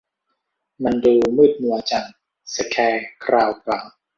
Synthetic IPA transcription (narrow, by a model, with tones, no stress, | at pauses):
ma˧nduː˧mɯː˥˩t̪̚nu˧ɐt͡ɕaː˨˩ŋ | sa˧˩kʰɛː˧kʰɾaː˧wkɾaː˨˩˦w